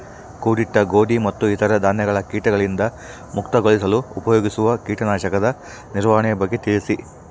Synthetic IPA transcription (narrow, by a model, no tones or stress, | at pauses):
kuːɽiʈːɐɡo̞ːɖimɐt̪ːuit̪ʰɐɾɐd̪ʱaːnjɐɡɐɭɐkiːʈɐɡɐɭind̪ɐ | mukt̪ɐɡoɭisɐluupɐjoːɡisuʋɐkiːʈɐnaːʃɐkɐd̪ɐ | niɾʋaːɐɳɛjɐbɐɡːe̞t̪iɭisi